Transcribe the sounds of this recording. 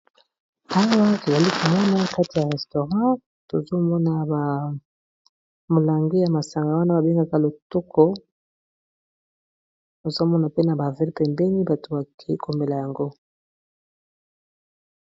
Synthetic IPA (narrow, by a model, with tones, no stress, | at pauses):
a˦wa˦to˨za˨li˦kʰo˨mɔ˦na˦˨ka˦ti˨ja˨ʁɛ˨sto˨ʁɑ̃˦ | to˨zo˦mɔ˦na˨ba˨ | mo˨la˨ŋɡi˦ja˨ma˨sa˨ŋɡa˨wa˦na˦ba˨be˦ŋɡa˨ka˦lo˨tɔ˦kʰɔ˦ | o˨zo˦mɔ˦na˨pe˦na˨ba˨vɛ˦pɛ˨mbɛ˦ni˦ba˨to˨ba˨kʰi˦kʰo˨me˨la˨ja˨ŋɡo˦